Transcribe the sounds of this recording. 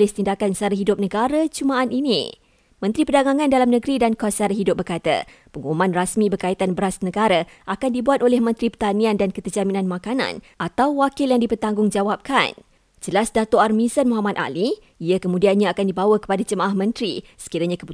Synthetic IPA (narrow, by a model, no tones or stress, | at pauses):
lɪst̪indakansaɾəɦidʊp̚nəɡaɾat͡ʃumãːninḭ | mə̃nt̪ɾipərdaŋaŋãndalamnəɡɾidankasaɾaɦidʊp̚bərkat̪a̰ | pəŋumumãnrasmĩbərkait̪anbəɾasnəɡaɾaʔakandibuat̪olɛhmə̃nt̪ɾipərt̪aniandankət̪ərd͡ʒaminãnmãkanã̰nʔat̪awwakɪljaŋdipərt̪aŋɡʊŋd͡ʒawap̚ka̰n | d͡ʒəlasdat̪oarmĩsənmoɦamad̪̚ʔa̰li | iakəmũdianɲaːkandibawəkə̥padad͡ʒəmaʔahmə̃nt̪ɾisə̥kiɾaɲakəpu